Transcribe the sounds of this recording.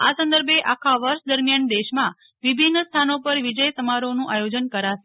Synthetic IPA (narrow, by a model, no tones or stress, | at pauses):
a̰sə̃nd̪əɾbʱeʔakʰaʋəɾʃd̪əɾmjand̪eʃmã | ʋibʱinːst̪ʰanopəɾʋid͡ʒəjt̪əmaɾonũʔajod͡ʒənkəɾaʃe̥